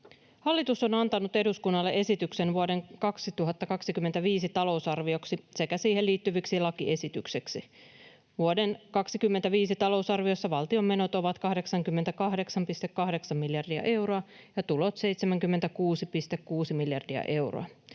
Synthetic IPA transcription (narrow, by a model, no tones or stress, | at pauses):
hɑlːit̪uso̞nɑnt̪ɑnut̪e̞duskunːɑlːeʔesit̪ykse̞nʋuode̞ŋkɑksit̪uɦɑt̪ːɑkɑksikymːent̪æʋiːsit̪ɑlo̞usɑrʋio̞ksise̞kæsiːhelːiːt̪ːyʋiksilɑkiʔe̞sit̪ykseksi | ʋuode̞nkɑksikymːent̪æʋiːsit̪ɑlo̞usɑrʋio̞sːɑʋɑlt̪io̞mːe̞no̞t̪o̞ʋɑt̪kɑhde̞ksɑŋkymːent̪ækɑɦde̞ksɑmpist̪e̞kːɑhde̞ksɑmmiljɑrdiɑ̰ʔe̞wɾoɑ | jɑt̪ulo̞t̪se̞jt̪semæŋkymːent̪ækuːsipist̪ekkuːsimiljɑrdiɑ̰ʔe̞wro̰ɑ